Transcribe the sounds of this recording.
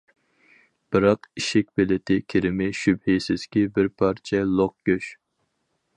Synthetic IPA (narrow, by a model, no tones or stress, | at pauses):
b̥ɨɾɑqiʃɪk̚ʲbɪlɪt̪ʰɪkʲʰiɾɪmɪʃybhisɪz̥kʲibɪɾpʰɑɾt͡ʃʰɛlˠoq̚ɡøʃ